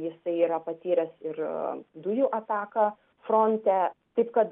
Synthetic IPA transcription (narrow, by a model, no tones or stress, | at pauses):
jɪsɐɪiːɾɐpɐt̪ʲiːɾʲɛsɪrd̪ʊjuʔɐt̪ɑːkɐ | fɾoːnʲt̪ʲɛt̪ɐɪpkɐt̪